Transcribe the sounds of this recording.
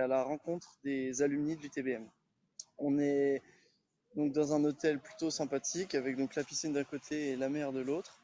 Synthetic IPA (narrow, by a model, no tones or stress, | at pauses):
alaʁɑ̃kɔ̃t̪χəd̪ezalymnid̪yt̪ebeɛm | ɔ̃nɛ | d̪ɔ̃k̚d̪ɑ̃zɛ̃not̪ɛlply̥t̪osɛ̃pat̪ʰikavɛk̚d̪ɔ̃klapisind̪ɛ̃kot̪ʰeːlamɛʁd̪əlot̪χ